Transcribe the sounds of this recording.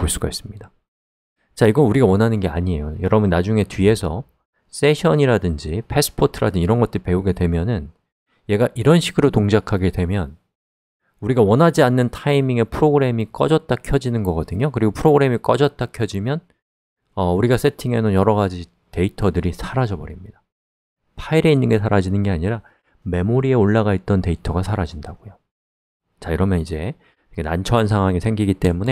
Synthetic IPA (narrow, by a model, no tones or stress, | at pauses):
poɭs͈uɡais͈ɯmɲida | t͡ɕaiɡʌnuɾiɡawʌnɦanɯnɡe̞a̰ɲie̞̰jojʌɾʌbɯnːad͡ʑuŋe̞tɥie̞sʰʌ̰ | s͈e̞ɕʰʌɲiɾadɯnd͡ʑipʰe̞s͈ʰɯ̥pʰotʰɯɾa̰dɯniɾʌnɡʌt͈̚ɯɾipe̞uɡe̞dwe̞mjʌnɯn | je̞ɡaʔiɾʌnɕʰiɡɯɾotoŋd͡ʑakʰaɡe̞dwe̞mjʌn | uɾiɡawʌnɦad͡ʑianːɯntʰaimiŋe̞pʰɯɾoɡɯɾe̞mik͈ʌ̰d͡ʑʌt̚t͈akʰjʌd͡ʑinɯnɡʌɡʌdɯɲokɯɾiɡopʰɯɾoɡɯɾe̞mik͈ʌd͡ʑʌt̚t͈akʰjʌd͡ʑimjʌn | ʌuɾiɡas͈e̞tʰiŋe̞nɯnjʌɾʌɡad͡ʑi | te̞itʰʌdɯɾisʰaɾad͡ʑʌbʌɾimɲid̥a | pʰaiɾe̞inːɯnɡe̞sʰaɾad͡ʑinɯnɡe̞aɲiɾa | me̞moɾie̞oɭːaɣait̚t͈ʌnte̞itʰʌɡasʰaɾad͡ʑindaɡ̥ojo | t͡ɕaiɾʌmjʌnid͡ʑe̞ | ekʰenant͡ɕʰʌans̬ʰaŋɦwaŋisʰeŋɡiɡit͈e̞mune̞